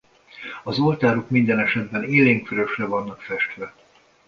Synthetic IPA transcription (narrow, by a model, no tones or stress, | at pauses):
ɒzo̞lt̪aːɾokmind̪ɛnɛʃɛd̪bɛneːleːŋkføɾøʃrɛvɒnːɒkfɛʃt̪ʋɛ